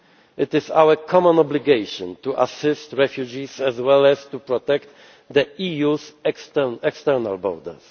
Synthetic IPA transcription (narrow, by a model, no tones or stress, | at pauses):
ʔɪt̪ɪsawəkʰɔmɔ̃nɔbliɡejʃɔ̃nt̪uʔa̰sɪst̪ɹɛfjud͡ʒisɛzwɛlɛst̪upɾɔt̪ɛkt̪ | d̪əijusɛkst̪ɛnɛkst̪ɛɾna̰lbɔ̰ɾd̪ɛ̰s